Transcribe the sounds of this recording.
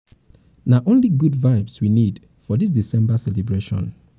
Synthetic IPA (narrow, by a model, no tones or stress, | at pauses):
naʔõnliɡudvaɪbswinid | fɔdis̬disɛ̃mbasɛlebɹeʃɔ̰̃n